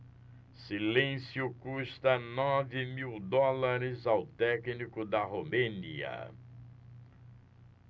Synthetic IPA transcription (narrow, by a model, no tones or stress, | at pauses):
silẽsjʊkuʃt̪ɐnɔvɪmiwd̪ɔlaɾɪzawt̪ɛknikʊd̪ɐɦomẽnḭɐ̰